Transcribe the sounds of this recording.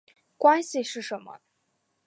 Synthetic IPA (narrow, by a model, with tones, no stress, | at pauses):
kwa˥nɕi˨ʂɻ̩˥˩ʂə˧˥nmə̰˦